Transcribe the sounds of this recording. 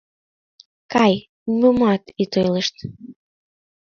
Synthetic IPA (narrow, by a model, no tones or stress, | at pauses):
kɑj | mumɑt̪it̪ojləʃt̪